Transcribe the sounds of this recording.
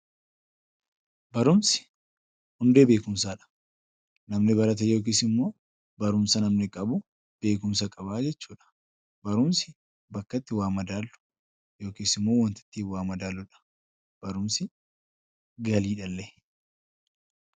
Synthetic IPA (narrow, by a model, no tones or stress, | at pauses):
bɐɾʊmsɪ̥ | hʊnd̪eːbe̞ːkʊmsaːᶑɐ̥ | nɐmnɪbɐɾɐt̪̬ɐjo̞ːk̬iːsɪmːo̞ː | bɐɾʊmsɐnɐmnɪkʼɐbʊ | b̥e̞ːkʊmsɐkʼɐbaːd͡ʒɛt͡ʃːuːᶑɐ̥ | bɐɾʊmsɪ̥ | bɐkːɐt̪ːɪwaːmɐd̪aːlːʊ̥ | jo̞ːkiːsɪmːo̞ːwɐnt̪ɪ̥t̪ːiːfwaːmɐd̪aːlːʊᶑɐ̥ | b̥ɐɾʊmsɪ | ɡɐliːᶑɐlːɛ